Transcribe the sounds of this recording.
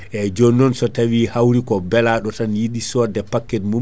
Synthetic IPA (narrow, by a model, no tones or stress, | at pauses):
ʔɛd͡ʒonːɔnsɔtawihawɾikɔbɛlaɗɔtanjiɗisɔdɛpakːɛtmu